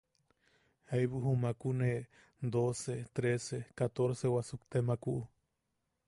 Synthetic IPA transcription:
ajβuɦumakune | d̪oset̪ɾesekat̪oɾsewasukt̪emakuʔu

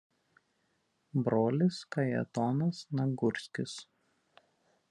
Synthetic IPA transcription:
bɾoːlʲɪskɐjɛ̰t̪ɔnɐsnɐɡʊɾʲsʲkʲɪs

